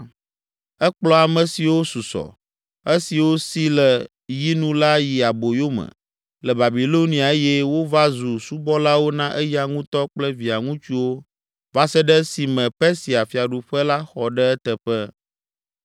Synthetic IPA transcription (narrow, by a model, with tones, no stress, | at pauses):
ɛ˦k͡plɔ˦a˨mɛ̃˨si˨wo˦su˨sɔ̰˨ | e˦si˨wo˦si˦lɛ˨ | ji˦nũ˦la˦ji˨a˨bo˨jo˦mɛ̰̃˨ | lɛ˨ba˨bi˨lo˦nĩ˨a˨e˦jɛ˦wo˦va˦zu˨su˦bɔ˦la˦wo˦nã˦ʔɛ˦ji˦a˨ŋũ˦t̪ɔ˦k͡plɛ˦vi˨a˨ŋũ˦t͡ʃu˦wo˦ | va˦sɛ˦ɖɛ˦si˨mɛ̃˨pɛ˦si˨a˨fi˨a˨ɖu˨ɸɛ˦la˦xɔ˨ɖɛ˦ɛ˦t̪ɛ˨ɸɛ˦